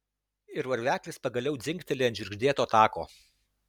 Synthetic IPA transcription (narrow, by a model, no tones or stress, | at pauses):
ɪɾʋɐɾʲʋʲæːklʲɪspɐɡɐlʲɛʊd̪zʲɪŋʲkt̪ʲɛlʲeɐnʲd͡ʒʲɪɾʲɡʒʲd̪ʲeːt̪oːt̪ɑːko̰ː